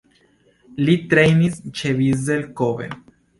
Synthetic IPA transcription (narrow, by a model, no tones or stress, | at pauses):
lit̪ɾejnist͡ʃevizelkovḛn